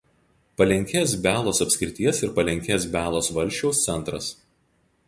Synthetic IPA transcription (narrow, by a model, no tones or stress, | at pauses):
pɐlʲɛŋʲkʲeːsbʲæːlˠoːsɐpʲsʲkʲɾʲɪt̪ʲiɛsɪɾpɐlʲɛŋʲkʲeːsbʲæːlˠoːsʋɐlʲʃʲt͡ʃʲɛʊst̪sʲɛnˑt̪ɾɐ̰s